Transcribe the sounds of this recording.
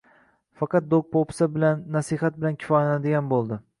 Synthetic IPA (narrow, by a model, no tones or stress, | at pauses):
fɑqɑt̪̚d̪ok̚pʰopsabɪlanːasihat̪̚bɪlankʲʰɪ̥fɒjanad̪ɪɡʲanbolˠd̪ɪ